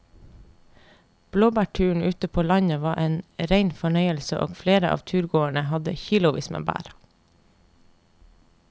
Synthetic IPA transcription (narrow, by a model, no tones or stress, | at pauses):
b̥loːbæʈʰʉːɳ̩ʉːt̪əpʰoːlɑɲəʋɑːʔeːnɾeɪnfɔɳœʏəlsəʔo̰ːɡfleːɾəʔɑ̰ːʋt̪ʰʉːɾɡoːæɳəhɑd̪ə̰çiːlʊʋḭːsmə̰bæ̰ːɾɑ